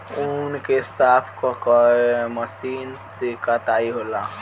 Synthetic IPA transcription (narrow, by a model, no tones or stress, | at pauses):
unkesapʰkɔkɔeməsinsd͡ʒekət̪aiɦola